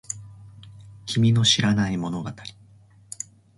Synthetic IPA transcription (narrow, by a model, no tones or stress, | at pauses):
kʲimʲino̞ɕiɾanaimo̞no̞ɡat̪aɾʲi̥